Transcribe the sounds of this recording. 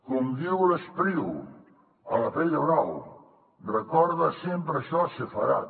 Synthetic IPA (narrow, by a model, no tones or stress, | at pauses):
komd̪iwləspɾiw | əlɐpɛʎɐβɾaw | rəkɔɾðɐsempɾɐʃɔsəfɐɾa̰